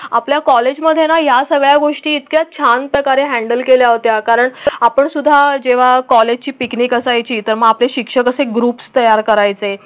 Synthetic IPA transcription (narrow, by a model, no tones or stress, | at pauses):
apljakɔled͡ʑməd̪ʱːjenajasəɡɭjaɡoʂʈiːt̪kjat͡ɕʰanpɾəkaɾeɦæ̃ɳɖəlkeljaɦot̪jakaɾəɳapəɳsud̪ʱːad͡ʑeʋ̤akɔled͡ʑʱt͡ɕiːpiknikəsajt͡ɕiːt̪əɾməɡapleɕikʂəkəseɡɾupst̪əjaɾkəɾajt͡se